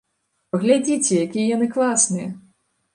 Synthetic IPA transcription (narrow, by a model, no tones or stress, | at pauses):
pɐɣlʲad͡zʲit͡sʲɛjakʲijɐjanɨklˠasnɨjɛ